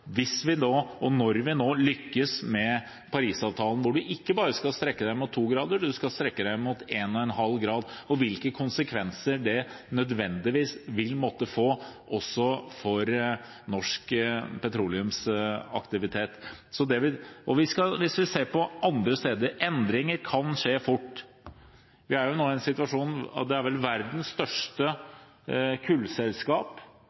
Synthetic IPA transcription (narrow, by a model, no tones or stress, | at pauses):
ʋɪsʋɪnoːʔɔnɔɾʋɪnoːlʏkːəsmɛ | pʰɑɾiːsɑːʋt̪ʰɑːlən̩ʋʊɖʉʔɪkːəbɑːɾəskɑlst̪ɾɛkːəd̪æɪmʊt̪ʰːuːɡɾɑːd̪əɖ̪ʉskɑst̪ɾɛkːəd̪æɪmʊt̪eːnɔɛnɦɑlːɡɾɑːd̪ɔʋɪlkəkʰʊnsəkʰʋɛnsəɖɛnœd̪ʋɛnd̪ɪʋiːsʋɪlmɔt̪ːəfoːʔɔsːɔfɔɾ | nɔʂkpʰɛt̪ʰɾuːlɪʉmsɑ̰kt̪ɪʋɪt̪ʰeːt̪ | sɔd̪ɛʋɪʔɔʋɪskɑʋɪsʋɪseːɾpɔʔɑnd̪ɾəst̪eːd̪əɾɛnd̪ɾɪŋəɾkʰɑnʂeːfʊʈː | ʋɪæɾjʊnoːæɪnsɪt̪ʉʋɑʂuːn̰d̪ɛæɾʋɛlʋæɾd̪n̩sst̪œʂʈə | kʰʉlsɛlskɑːp